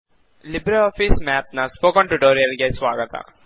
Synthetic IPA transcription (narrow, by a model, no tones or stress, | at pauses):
lɪbɾɐlɔːfismɛːp̚naspoːkɔɳʈuʈoːɾijɐɾɡesʋaːɡɐt̪a̰